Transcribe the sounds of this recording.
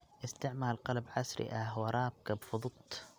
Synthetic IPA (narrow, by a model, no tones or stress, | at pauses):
ʔɪst̪aʕmaːlqɑlabʕasɾɪ̰ʔawɑɾˤɑːb̚kabfʊd̪ˤʊt̪ˤ